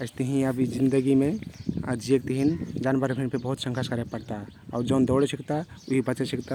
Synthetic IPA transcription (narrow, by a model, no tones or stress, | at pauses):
əɪst̪əɦĩəbid͡ʒind̪əɡimeəd͡ʒiek̚t̪əɦind͡ʒanbəɾbʱinpʰebəɦut̪sə̃ŋkʰəskəɾepəɽt̪aaʊɾd͡ʒəʊnd̪ɔwɽesikt̪auɦibət͡ʃesikt̪a